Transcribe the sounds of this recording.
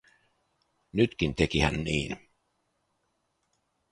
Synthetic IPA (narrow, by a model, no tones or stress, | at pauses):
nyt̪k̟int̪ekihæ̰nniːn